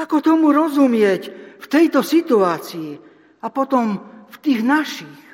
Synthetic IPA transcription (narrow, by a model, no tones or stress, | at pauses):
akɔt̪ɔmuɾɔzumɪɛcft̪ɛjt̪ɔsit̪uaːt͡sii | apɔt̪ɔmft̪iːɣnaʃix